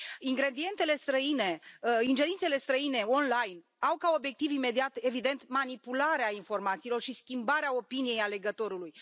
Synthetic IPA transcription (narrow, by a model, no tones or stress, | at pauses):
iŋɡɾe̞d̪ie̞nt̪e̞le̞st̪ɾəine̞ind͡ʒe̞ɾint̪se̞le̞st̪ɾəine̞o̞nlajn | awkao̞bje̞k̚t̪ivime̞d̪iat̪e̞vid̪e̞nt̪manipulaɾeainfo̞rmat̪siːlo̞rʃiskʲimbaɾeao̞pinije̞jale̞ɡət̪o̞ɾuluj